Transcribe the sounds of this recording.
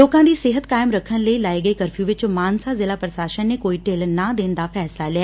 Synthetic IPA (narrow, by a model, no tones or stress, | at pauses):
oːkãːd̪iːsɪɦət̪kaːɪmɾəkʰːənləiːlaːeːɡəeːkəɾpʰjuːʋɪt͡ʃmaːnsaːzɪlaːpɾəʃaːʃənːeːkoːiːʈelnaːd̪eːnd̪aːpʰɛːslaːlɛaː